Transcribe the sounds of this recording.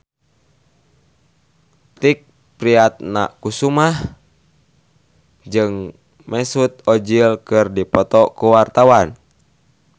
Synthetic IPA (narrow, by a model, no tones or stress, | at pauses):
t̪ik̚ | pɾiat̪̚na̰kusumah | d͡ʒɨŋ | mɛsut̪̚ɔd͡ʒilkɨrdipɔt̪ɔkuwart̪awan